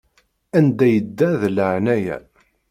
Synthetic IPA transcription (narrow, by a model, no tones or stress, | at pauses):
ænd̪æjəd̪ːæðləʕnæjæ̰